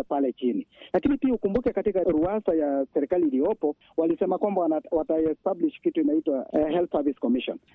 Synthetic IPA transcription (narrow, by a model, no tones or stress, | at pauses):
ɛpalɛt͡ʃinilakinipiaukumbukɛkatikaɾuasajasɛɾɛkaliːlijɔpɔ | walisɛmakwambawwataɛstabliʃkituinaitwaɦɛlθsaviskɔmiʃɔ̰n